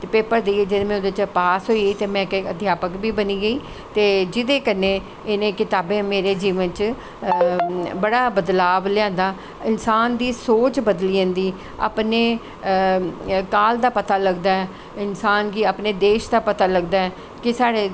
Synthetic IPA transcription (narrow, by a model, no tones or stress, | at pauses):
t̪eːpeːpəɾd̪eːeːd͡ʒɪd̪mɛ̃ːʊd̪eːt͡ʃəpaːsɦoːiiːt̪eːmɛ̃ːkəd̪ʱjaːpəkbiːbəniːɡəiː | t̪eːd͡ʒɪd̪eːkənẽː | ɪnẽːkɪt̪aːbẽːmeːɾeːd͡ʒiːʋənt͡ʃ | bəɽaːbəd̪laːblɪjãːnd̪aː | ɪnsaːnd̪iːsoːt͡ʃbəd̪liːə̃nd̪iː | a̰ːpneː | kaːld̪aːpət̪aːləɡd̪aːɛː | ɪnsaːnkiaːpneːd̪eːʃd̪aːpət̪aːləɡd̪aːɛː | kɪsaːɽeː